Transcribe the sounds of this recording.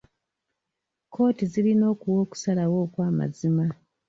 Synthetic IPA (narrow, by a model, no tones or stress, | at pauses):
kʰo̞ːtizilinoːkuwo̞ːku̥salawo̞ːkwaːma̰zima